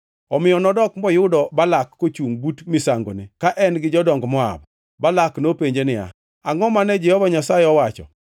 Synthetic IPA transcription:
ɔmɪjɔnɔdɔkmɔjʊdɔbalakːot͡ʃuŋbutmɪsaŋɡo̰nekaʔɛnɡɪd͡ʒɔdɔŋɡmɔa̰b̚ | balaknopeɲd͡ʒenɪja̰ | aŋɔmanɛd͡ʒɛhɔvaɲasajɪɔwat͡ʃɔ̰

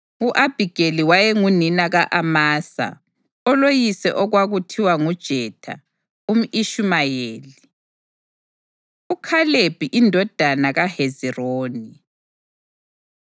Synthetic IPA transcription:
uʔab̥ʱiɡ̥eliwajɛŋuninaɣaʔamaːsa̰ | ɔlojisɛ̰ʔɔɣwaɣutʰiwaŋud̥ʒ̥ʱɛtʰa̰ | um̩iʃumajeːli | ukʰaleb̥ʱiʔindʱɔd̥ʱanaɣaheziroːni

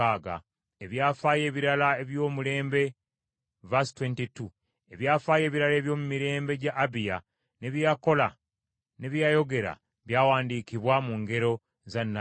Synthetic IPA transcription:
aːɡa̰ | e̞βjaːfaːje̞ːβiɾalae̞βjo̞ːmule̞ːmbe̞ | vastwentitu | e̞βjaːfaːje̞ːβiɾale̞ːβjo̞ːmumiɾe̞ːmbe̞ɟaʔːbija | ne̞βjako̞la | ne̞βjajo̞ɡe̞ɾa̰ | βjaːwaːndiːkiβwamuːŋɡe̞ɾo̞ | zanːa

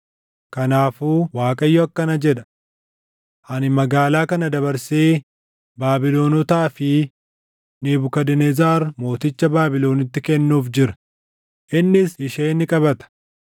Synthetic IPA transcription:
kɐnaːfuːwaːkʼɐjːɔɐkːɐnɐd͡ʒɛᶑɐ̥ | hɐnɪmɐɡaːlaːkɐnɐd̪ɐβɐɾseː | baːbɪlo̞ːnɔt̪aːfɪ | niːbʊkɐd̪ɛnɛzaːɾmo̞ːt̪ɪt͡ʃːɐbaːbɪlo̞ːnɪt̪ːɪkɛnːuːfd͡ʒɪɾɐ̥ | ʔɪnːɪsɪʃeːnɪkʼɐbɐt̪ɐ̥

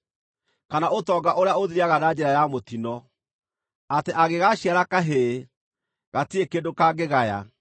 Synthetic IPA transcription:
kanaotɔɡaʔoɾeaoðiɾiaɣanad͡ʑɛɾajamotinɔ | ateʔaɣeɣaɕiaɾakaɦe | ɣatiekendokaːɡeɣaja̰

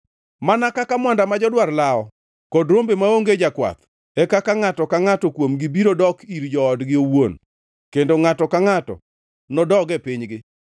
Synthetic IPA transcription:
manakakamwandamad͡ʒɔdwarlaɔ | kɔdɾombemaoŋɡed͡ʒakwa̰t̪ | ɛkakaŋatɔkaŋatɔkwomɡɪbiɾodɔkiɾd͡ʒɔɔdɡɪowon | kendoŋatɔkaŋatɔ̰ | nɔdɔɡɛpɪɲɡɪ

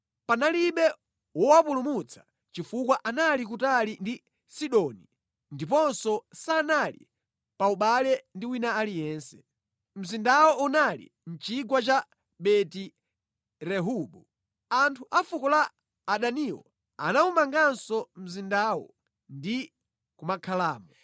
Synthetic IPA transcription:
panaliɓɛ | wɔwapulumut͡sʰḁ | t͡ʃifukwaʔanalik̬utalindi | siɗɔni | ndip̬ɔnsɔsaːnalḭ | pauɓalɛndiwinaːlijɛːnsɛ̥ | m̩zindawɔʔunalḭ | n̩t͡ʃiɡwat͡ʃa | ɓɛti | ɾɛɦuɓu | antʰuʔafukɔlaː | ɗaniwɔ̰ | a̰naumaŋɡansɔm̩zindaːwɔ̰ | ndi | kumakʰalaːmɔ

